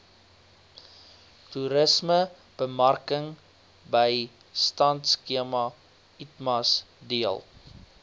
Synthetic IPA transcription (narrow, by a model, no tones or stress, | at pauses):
tuɾəsmə | b̥əmɐrkəŋ | bəj | stɐntskiəmɐ | itmɐs | diəlˠ